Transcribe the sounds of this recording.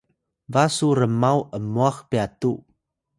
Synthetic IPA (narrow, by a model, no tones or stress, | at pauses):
vasuɾəmawʔəmuaxpiatu